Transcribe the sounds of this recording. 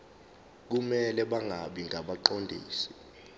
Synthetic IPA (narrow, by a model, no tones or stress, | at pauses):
k̬umɛlɛɓaŋɡʱaɓiŋɡʱaɓaǃondʱḭːsi̥